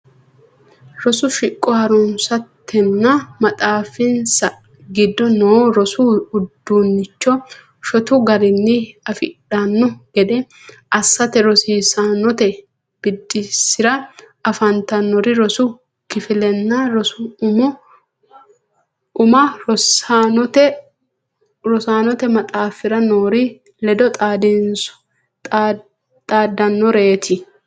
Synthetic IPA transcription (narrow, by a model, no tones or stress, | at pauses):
ɾɔsʊʃɪkʼːɔhɐɾʊnsɐt̪ːɛnːɐmɐt̪ʼaːfɪnsɐ | ɡɪd̪ːɔnoːɾɔsʊʊd̪ːunːɪt͡ʃːɔ | ʃɔt̪ʊɡɐɾɪnːɪɐfɪᶑɐnːɔɡ̥ɛd̪ɛ | ʔɐsːɐt̪ɛɾɔsiːsanːɔt̪ɛ | b̥ɪd̪ːɪsːɪɾɐ | ɐfɐnt̪ɐnːɔɾɪɾɔsʊ | kɪfɪlɛnːaɾɔsʊʊmʊ | ʊmɐɾɔsanɔt̪ɛ | ɾɔsaːnɔt̪ɛmɐt̪ʼaːfɪɾɐnoːɾɪ | lɛd̪ɔt̪ʼaːd̪ɪnsʊ̥ | tʼː | t̪ʼaːd̪ːɐnːɔɾeːt̪ʰɪ